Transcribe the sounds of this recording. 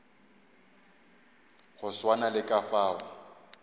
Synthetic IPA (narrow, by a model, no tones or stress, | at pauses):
ɣʊswanalɪkʼafaːʊ